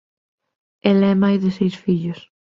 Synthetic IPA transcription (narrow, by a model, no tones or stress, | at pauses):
elɛmajðɪsejsfiʎʊs